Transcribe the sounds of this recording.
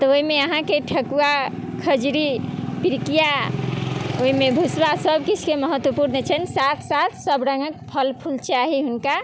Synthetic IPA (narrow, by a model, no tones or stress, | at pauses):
t̪ɔoimeəɦãkeʈʰəkua | kʰəd͡ʒɾipiɾkija | oɦimebʱusbasəbkit͡ʃʰkeməɦət̪wəpuɾnət͡ʃʰənsat̪ʰsat̪ʰsəbɾəŋɡək̚pʰəlpʰult͡ʃaɦiɦunka